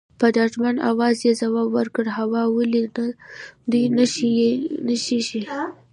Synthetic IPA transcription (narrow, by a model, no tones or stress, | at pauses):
pəd̪ɑʒmana̰wɑzjezawɑbwəɾkəɽhawɑwəliad̪ujnəʃienəʃiʃi